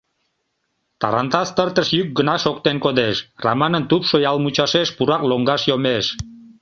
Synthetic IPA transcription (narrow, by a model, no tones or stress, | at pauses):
t̪ɑ̰ɾɑnt̪ɑst̪ərt̪əʃjyk̚ɡənɑʃokt̪enkod̪eʃrɑ̰mɑnənt̪upʃojɑlmut͡ɕɑʃeʃpuɾɑkloŋɡɑʃjomeʃ